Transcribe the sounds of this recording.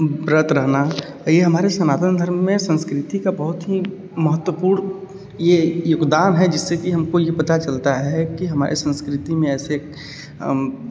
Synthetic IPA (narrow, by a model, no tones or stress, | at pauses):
bɾət̪ɾəɦna | jeɦɐmaːɾesɐnaːt̪ənd̪ʱəɾmːẽsə̃nskɾɪt̪ikabɐɦʊt̪ɦi | mɐɦət̪wəpuːɾn | jejoɡd̪aːnɦɛd͡ʒɪsːekiɦɐmkojepɐt̪at͡ʃɐlt̪aɦɛkiɦɐma̰ːɾʔḛsə̃nskɾɪt̪imẽɛːsek